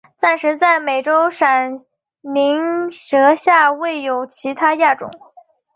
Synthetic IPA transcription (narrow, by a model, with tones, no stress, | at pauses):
t̪a˥˧nʂɻ̩˧˥t͡sa˥˩ɪme˨˩ɪʈ͡ʂo˥ʊʂa˨˩n | li˧˥ŋʂɤ˧˥ɕja˥˧we˥˩ɪjo˨˩ʊt͡ɕʰi˧˥t̪ʰa˥ja˥˩ʈ͡ʂʊ̰˨˩˦ŋ